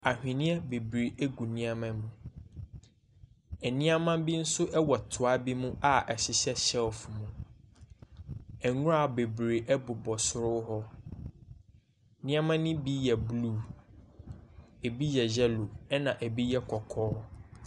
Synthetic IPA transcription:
a˨hᶣɪ̃˨nɪ̃˦ɛ˦be˨bɾe˨ʔe˦ɡu˨nĩ˦a˦mã˦mũ˨ | ɛ˨nĩ˦a˦mã˦bi˦n̩˦sʊ˦ʔɛ˦wɔ˨tʰʊ˨a˦bi˦mũ˦a˦ʔɛ˨ɕɪ˨ɕɛ˦ɕɛ˦wɔ˨fʊ˨mũ˨ | ɛ˨ŋũ˦a˨be˨bɾe˨ʔɛ˦bʊ˨bɔ˨sʊ˦ɾʊ˦hɔ˦ | nɪ̃˦a˦mã˦nʊ̃˦bi˦jɛ˨bluː˦ | e˨bi˦jɛ˨d͡ʑɛ˦lo˨ɛ˦nã˨ʔɛ˨bi˦jɛ˦kʰɔ˨kʰɔː˦

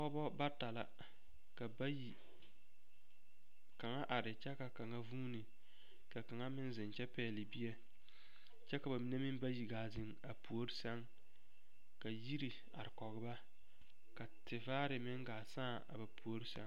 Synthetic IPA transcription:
kɔ˦bɔ˦ba˦ta˨la̰˨ | ka˨ba˦ji˨ | ka˨ŋa˦ʔa˨ɾɪ˨t͡ʃɛ˦ka˨ka˨ŋa˦vuː˦ni˨ | ka˨ka˨ŋa˦mɪ˦nzɪ˨nt͡ʃɛ˦pɛː˦˨lɪ˨bi˦ɛ˦ | t͡ʃɛ˦ka˨ba˨mi˨ne˦mɪ˦m˦ba˦ji˨ɡaː˨zɪ˨ŋ | a˨pu˨o˦ɾɪ˦sɛ˦ŋ | ka˨ji˦ɾi˨ | a̰˨ɾɪ˨kɔ˨ɣɪ˦ba˦ | ka˨tɪ˨vaː˦ɾɪ˨mɪ˦ŋɡaː˨saː˦˨a̰˨ba˨pu˨o˦ɾɪ˦sɛ̰˦ŋ

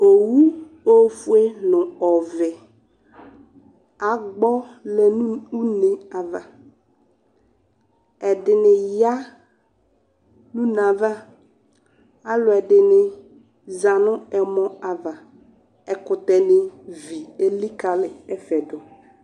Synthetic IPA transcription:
o˨wu˦ | o˦fu˦e˦nʊ̃˨ɔ˨vɪ˨ | a˨ɡ͡bɔ˦lɛ˨n˦u˦ne˨a˨va˨ | ɛ˨dɪ˨nɪ˨ja˦ | nũ˦na˨va˦ | a˦lʊ˨ɛ˨dɪ˨nɪ˨ | za˨nʊ̃˦ɛ˨mɔ̃˦a˨va˨ | ɛ˨kʊ˨tɛ˨nɪ˨vi˨e˦li˦ka˨lɪ˨ɛ˦fɛ˨dʊ˨

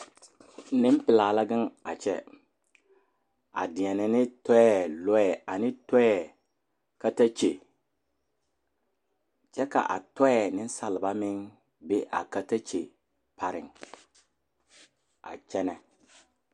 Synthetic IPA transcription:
nɪ˦m˦pɪ˨laː˨la˦ɡɪ˦ŋa̰˨t͡ʃɛ̰˦ | a̰˨dɪ˨ɛ˨nɪ˨nɪ˦tɔ˦ɛ˦lɔ˦ɛ˨a˨nɪ˦tɔ˦ɛ˦ | ka˦ta˦t͡ʃe˨ | t͡ʃɛ˦ka̰˨ʔa̰˨tɔ˦ɛ˦nɪ˦n˦sa˨lɪ˨ba˦mɪ˦ŋ | be˦ʔa̰˨ka˦ta˦t͡ʃe˨ | pʰa˨ɾɪ̰˨ŋ | a̰˨t͡ʃɛ˦nɛ˨

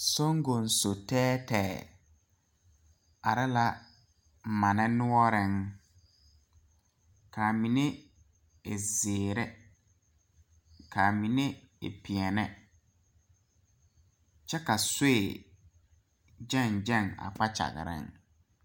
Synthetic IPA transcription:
so˦ŋ˦ɡo˨n̩˨so˨tɛː˦tɛː˨ | a˨ɾɪ˦la˦ | ma˨nɛ˦nʊ˦ɔ˦ɾɪ˦ŋ | ka˨mi˨ne˦ | ɪ˨zeː˨ɾɛ˦ | ka˨mi˨ne˦ | ɪ̰˨pɪ˨ɛ˨nɛ˦ | t͡ʃɛ˦ka˨se˦e˨ | d͡ʒɛ˦˨nd͡ʒɛ˦˨ŋa̰˨k͡pa˦t͡ʃa̰˨ɣ̰ɾɪ̰˦ŋ

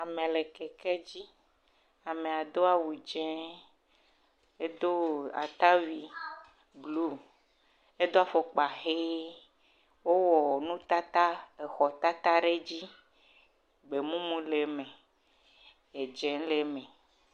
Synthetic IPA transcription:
a˨mẽ˨le˨kɛ˨kɛ˦d͡ʑi˦ | a˨mẽ˨a˨d̪o˦a˨wu˨d͡ʒɛ̃˦ | e˦d̪o˦a̰˨t̪a˦vi˨ | ɡlu˦ | e˦d̪o˦a˨fo˨k͡pa˨xe˦ | wo˦wɔ˨nũ˦t̪a˦t̪a˦e˨xɔ˨t̪a˦t̪a˦ɖe˦d͡ʑi˦ | ɡ͡be˨mũ˦mũ˦le˨mẽ˨ | e˨d͡ʒɛ̃˦le˨mẽ˨

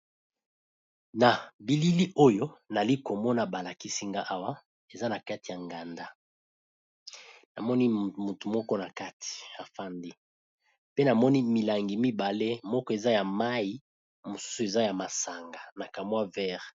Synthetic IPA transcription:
na˨bi˨li˦li˦ʔo˦jo˦na˨li˦ko˨mɔ˦na˨ba˨la˨ki˦si˦ŋɡa˦ʔa˦wa˦ | e˨za˦na˨ka˦ti˨ja˨ŋɡa˨nda˦ | na˨mɔ˦ni˦mu˨tu˨mɔ˦kɔ˦na˨ka˦tʰi̥˨a˨fa˦ndi˦ | pe˦na˨mɔ˦ni˦mi˨la˨ŋɡi˨mi˦ba˨le˦mɔ˦kɔ˦e˨za˦ja˨ma˦ji˦ | mo˨su̥˦su˨e˨za˦ja˨ma˨sa˨ŋɡa˨na˨ka˨mwa˦vɛ˦ʁ

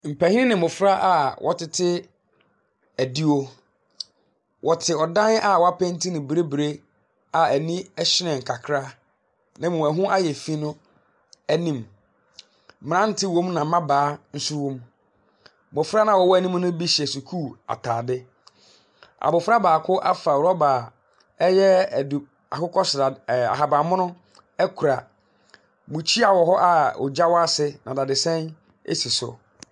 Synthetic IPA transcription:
m̩˨pʰæ˨hi˦ɪ̃˦nɪ̃˨mʊ̃˨fɾa˦ʔa˨wʔɔ̰˨tɪ˨tʰɪ˦ | æ˨di˦o˦ | wʔɔ˨tʰɪ˨ɔ˨dã˦n˦a˨wɔ˨˦a˦pʰɛ̃˦n˦tʰĩ˦nɪ̃˨bɾe˦bɾe˦ | a˨æ˨nĩ˦ɛ˦ɕɪ˦nɛ̃˨ŋ̩˨kʰa˨kʰɾa˦ | nã˦mũ˨æ˨ɦʊ̃˦ʔa˦jɛ˨fi˦nʊ̃˦ | æ˦nĩ˦m˨ | ɾã˦n̩˦tʰɪ˦wõ˦mnã˨˦mã˦baː˨˦n̩˦su˦wɔ̃˦m | mʊ˨fɾa˦nã˨wɔ˨wɔ˦æ˦nĩ˦m˦nʊ̃˦bi˦ɕi˨ɛ˨su˨kʰuː˦˨a̰˨tʰaː˨dɪ˦ | a̰˨bʊ˨fa˦baː˨kʰʊ˦ʔa̰˦fa˨wɔ˦ba˨ | ɛ˦jɛ˦˨du˨ | a˨kʊ˦kʰɔ˦sʊ˨da˨a̰˨ɦa˨bã˨mʊ̃˦nʊ̃˦ | ɛ˦kʰu˨ɾa˨ | mʊ̃˨t͡ɕʰi˦a˨wɔ˨ɦɔ˦ʔa˦ɔ̰˨d͡ʑa˦wɔ˦a˦sɪ˦nã̰˨da˨dɪ˨sɛ̃˦n | ḛ˦si˨sʊ̰˨

